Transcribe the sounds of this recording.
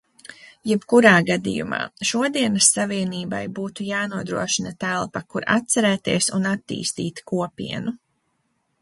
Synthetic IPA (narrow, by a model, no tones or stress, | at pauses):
jɛbkuɾaːɡad̪ḭjṵma̰ːʃuɔd̪iɛnɐsːaviɛniːbajbuːt̪ujaːnuɔd̪ɾṵɔʃinɐt̪ælˠpɐkuɾa̰t̪̚sɛɾɛːt̪iɛsunat̪ːḭːst̪ḭːt̪kuɔpḭɛnu